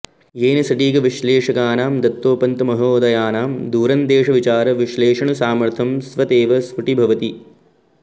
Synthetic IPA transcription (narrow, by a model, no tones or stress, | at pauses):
jeːnɐsɐʈiːɡɐʋiʃleːʂɐkaːnaːmd̪ɐt̪ːoːpɐnt̪ɐmɐɦoːd̪ɐjaːnaːmd̪uːɾɐnd̪eːʂɐʋit͡ʃaːɾɐʋiʃleːʂɐɳɐsaːmɐɾt̪ʰɐmsʋɐt̪eːʋɐsʋuʈibʱɐʋɐt̪i